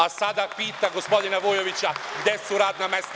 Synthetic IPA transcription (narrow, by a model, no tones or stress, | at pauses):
asad̪apiːt̪aɡospo̞d̪inaʋojoʋit͡ʃaɡd̪jesuɾaːd̪namest̪